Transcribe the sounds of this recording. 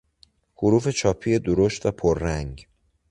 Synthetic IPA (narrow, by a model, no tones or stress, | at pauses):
hoɾuːfe̞t͡ʃʰɒːpʰije̞d̪oɾoʃt̪væpʰoɾːæŋɡ